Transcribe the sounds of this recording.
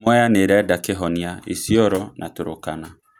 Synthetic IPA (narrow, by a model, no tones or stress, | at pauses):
mɔjaneɾɛɛdakɪɦɔnĩaḛsiɔɾɔnʔatʊɾʊkana